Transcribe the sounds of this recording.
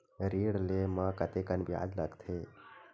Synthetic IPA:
ɾiɽlemãkət̪ekənbja̰ːdləɡt̪ʰeː

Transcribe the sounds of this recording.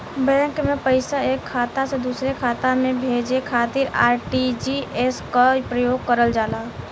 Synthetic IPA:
bɛ̃ːkmẽpəɪsaeːkʰːaːt̪ased̪uːsɾekʰaːt̪amẽbʱeːd͡ʒekʰaːt̪ɪɾaːɾʈid͡ʒieskapɾəjoːɡ̚kəɾəld͡ʒaːlaː

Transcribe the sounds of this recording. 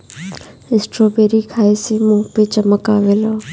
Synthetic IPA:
ɪsʈɾoːbeːɾikʰaːesemũːpet͡ʃəməkaːʋeːlaː

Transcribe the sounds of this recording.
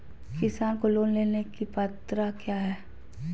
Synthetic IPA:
kɪsaːnkoloːnleːnekipɐt̪ɾakjaːɦɛː

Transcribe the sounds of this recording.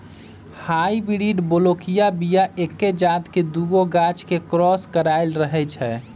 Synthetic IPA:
haibiɾiɖbolokijabijaʔekːed͡ʒat̪ked̪uɡoɡat͡ʃkekɾɔskəɾaɪlɾəɦɛt͡ʃʰɛ

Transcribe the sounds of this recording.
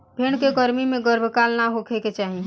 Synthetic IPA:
bʱeːɽ̃kekəɾmimẽɡəɾbʱkaːlnaɦokʰeket͡ʃaːɦi

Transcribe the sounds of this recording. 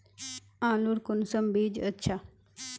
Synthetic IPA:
ãːluɾkunsəmbiːd͡ʒətːɕʰa

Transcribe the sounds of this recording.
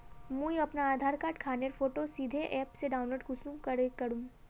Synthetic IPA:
mũːjɐpnaaːd̪ʱaːɾkaːʈkʰaːneɾfoːʈosiːd̪ʱeʔɛːpseɖaːʊnloːɖɡʊsũkɐɾekɐɾũː

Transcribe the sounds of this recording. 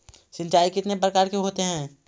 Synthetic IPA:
sɪ̃nt͡ʃaːikɪt̪nepɾɐkaːɾkeɦoːt̪eɦɛ̃ː

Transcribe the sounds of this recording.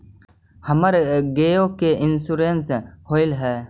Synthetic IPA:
hɐməɾɡeokeʔɪnsuɾenshoːɪlɦɛː

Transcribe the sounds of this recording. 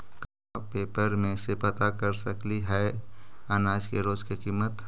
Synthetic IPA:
ka | peːpəɾmẽsepət̪akəɾsəkliɦɛ | anaːd͡ʒkeɾoːzkikiːmːət̪

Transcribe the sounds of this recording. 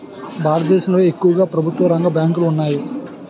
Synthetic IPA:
bʱaːɾɐt̪d̪ɛːʃɐmloːe̞kːuʋɐɡaːpɾɐbʱut̪ːʋɐɾɐŋɡɐbjaːŋkuluːnːaːji

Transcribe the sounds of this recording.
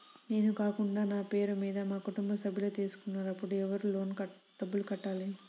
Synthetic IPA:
ne̞ːnukaːkuɳɖaːnaːpe̞ːɾumiːd̪ɐmaːkuʈumbɐsɐbʱːiloːt̪iːsu̥kunːaːɾɐpːuɽuɛʋɐɾulo̞ːnkɐ | ɖɐbːulukɐʈːaːli

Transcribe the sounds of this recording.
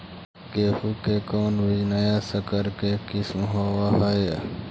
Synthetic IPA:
keːfukeːkoːnʋid͡ʒnajaːsəkəɾkekismɦoːʋaɦɐjḛ

